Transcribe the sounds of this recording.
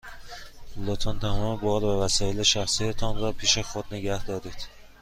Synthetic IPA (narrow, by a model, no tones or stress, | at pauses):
lot̪ʰɒːnt̪ʰæmɒːmebɒːɾbævæsɒːjeleʃæxsiæt̪ʰet̪ʰɒnrɒːpʰiːʃexod̪neɡæhd̪ɒːɾiːd̪̥